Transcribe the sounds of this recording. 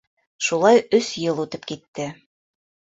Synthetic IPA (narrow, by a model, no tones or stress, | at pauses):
ʃulˠɑjɵsjɤlˠut̪ɤpkit̪ːɘ